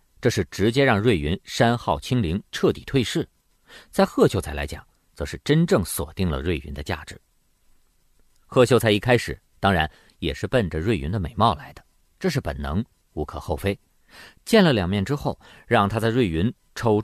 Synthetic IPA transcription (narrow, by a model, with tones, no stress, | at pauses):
ʈ͡ʂɤ˥˧ʂɻ̩˥˩ʈ͡ʂɻ̩˧˥t͡ɕjɛ˥ɻɑ˥˧ŋɻwe˥˩ɪy˧˥nʂa˥nxɑ˥˩ʊt͡ɕʰi˥ŋli˧˥ŋʈ͡ʂʰɤ˥˩t̪i˨˩t̪ʰwe˥˧ɪʂɻ̩˥˩ | t͡sa˥˧ɪxɤ˥˩t͡ɕʰjo˧˥t͡sʰɪla˧˥ɪt͡ɕjɑ̰˨˩˦ŋ | t͡sɤ˧˥ʂɻ̩˥˩ʈ͡ʂə˥nʈ͡ʂɤ˥˩ŋswɔ̰˨˩t̪i˥˩ŋlə̰˩ɻwe˥˩ɪy˧˥nd̪ə˧t͡ɕja̰˥˩ʈ͡ʂɻ̩˨˩˦ | xɤ˥˩t͡ɕjo˥ʊt͡sʰɪi˥˩kʰa˥ɪʂɻ̩˨˩ | t̪ɑ˥ŋɻa˧˥n | jɛ˨˩ʂɻ̩˥˧pə˥˩nʈ͡ʂə˩ɻwe˥˩ɪy˧˥nd̪ə˧me˨˩ɪmɑ˥˩ʊla˧˥ɪd̪ə̥˧ | ʈ͡ʂɤ˥˧ʂɻ̩˥˩pə̰˨˩nnɤ˧˥ŋ | u˧˥kʰɤ̰˨˩xo˥˩ʊfe˥ɪ | t͡ɕjɛ˥˩nlə˨˩ljɑ˨˩ŋmjɛ˥˩nʈ͡ʂɻ̩˥xo˥˩ʊ | ɻɑ˥˧ŋt̪ʰa˥t͡sa˥˧ɪwe˥˩ɪy˧˥n | ʈ͡ʂʰo˧˥ʊ